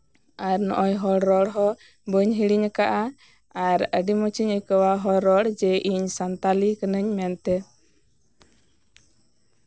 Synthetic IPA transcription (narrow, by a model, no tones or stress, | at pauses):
aɾnɔ̰ʔɔjɦɔɽɾɔɽɦɔ | bəɲɦiɽiɲəkaʔa | aɾəɖimɔt͡ʃiɲəkəwaɦɔɾɔɽd͡ʒɛʔiɲsant̪alikənəɲmɛnt̪ɛ